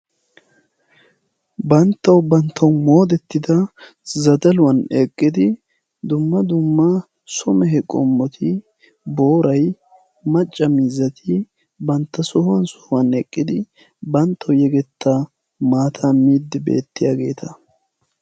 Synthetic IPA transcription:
bɐnt̪ːɐwbɐnt̪ʰːɐwmo̞ːd̪ɛt̪ːɪd̪ɐ | zɐd̪ɐlʊwɐnɛkʼːɪd̪ɪ | d̪ʊmːɐd̪ʊmːɐ | sɔmɛɦɛkʼɔ̰mːɔt̪ʰɪ | bo̞ːɾɐj | mɐt͡ʃʼːɐmiːzːɐt̪ʰɪ | bɐnt̪ːɐsɔhʊwɐnsɔ̥hʊwɐnɛkʼːɪd̪ɪ | bɐnt̪ʰːɐwjɛɡɛt̪ːɐ | maːt̪ʰamiːd̪ːɪbe̞̰ːt̪ːɪjaːɡe̞̰ːt̪ʰɐ

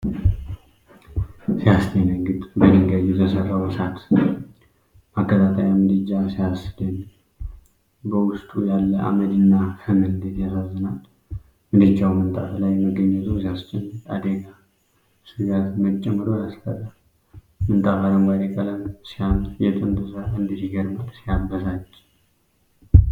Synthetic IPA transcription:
sijast͡ʃ̪ʰenəŋɡɨt̪ʼbədɨŋɡajuzəsərːawəsat̪ | makːət̪ʰat̪ʰajamɨd̪ɨd͡ʒːasijasɨd̪ɨn | bəwʊst̪ʼujalːəʔa̰məd̪ɨnːahɨmɨlɨnd̪et̪jasazːənal | mɨd̪ɨt͡ʃːawmɨnt̪ʼa̰flajməɡːəɲːɛt̪ʰusijast͡ʃʼːɛmːəɾa̰d̪əɡa | sujat̪mət͡ʃʼːɛmːɨɾojaskʰə̰ɾa | mɨnt̪ʼafaɾəmɡad̪ekʼələmsijamjɛt̪ʼɨnd̪ɨsaɨnd̪isiɡəɾmalsijambəsat͡ʃʼː

